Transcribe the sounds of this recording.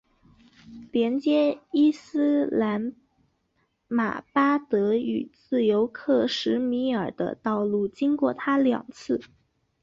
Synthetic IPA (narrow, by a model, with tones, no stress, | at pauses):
ljɛ˧˥nt͡ɕjɛ˥i˥s̩˥la˧˥n | ma̰˨˩pa˥t̪ɤ˧˥y˨˩t͡sɹ̩˥˩jo˧˥ʊkʰɤ˥˩ʂɻ̩˧˥mi˧˥ə˞˨˩d̪ə̰˦t̪ɑ˥˧ʊlu˥˩t͡ɕi˥ŋkwɔ˥˩t̪ʰa˥ljɑ̰˨˩ŋt͡sʰɹ̩˥˩